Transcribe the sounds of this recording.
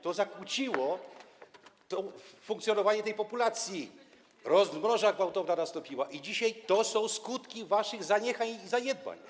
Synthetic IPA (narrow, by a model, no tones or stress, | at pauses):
t̪ɔzakwut͡ɕiwɔ | t̪ɔ̃fũŋkt̪sʲjɔnɔvaɲɛt̪ɛjpɔpulat̪sʲji | ɾɔzmɔʐaɡvawt̪ɔvnanast̪ɔ̃mpʲiwaʔid͡ʑiɕajt̪ɔsɔ̃w̃skut̪kʲivaʂɘɣzaɲɛxaɲizajɛd̪̚ba̰ɲ